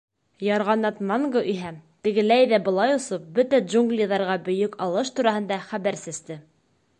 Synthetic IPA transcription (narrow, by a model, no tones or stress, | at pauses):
jɑɾʁɑnɑt̪mɑŋɡoʔɵ̆ɦæt̪ɘ̆ɡɘ̆læjðæbɤ̆lˠɑjŏsɤp̚bɵt̪æʒuŋɡlʲiðɑɾʁɑbɵ̆jɵkɑlˠɤʃt̪uɾɑhɤ̆nd̪ɑχæβæɾsɘ̆zt̪ɘ